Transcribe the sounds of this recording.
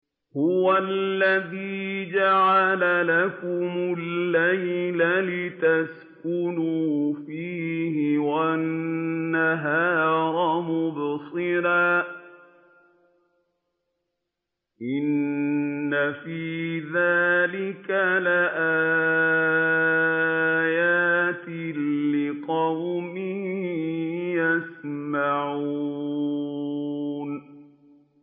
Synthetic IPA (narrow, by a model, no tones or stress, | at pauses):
hʊwalːaðiːd͡ʒaʕalalakʊmʊlːajlalɪt̪as | kʊnuːfiːhɪwanːaɦaːɾˤɑmʊbsˤɨɾaː | ʔɪnː | afiːðaːlɪkalaʔaː | jaːt̪ɪːɪqɑwmɪhhjasmaʕu | n